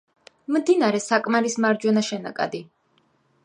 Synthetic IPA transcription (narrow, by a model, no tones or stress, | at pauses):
md̪inaɾɛsakʼmaɾismaɾd͡ʒwɛnaʃɛna̰kʼa̰d̪i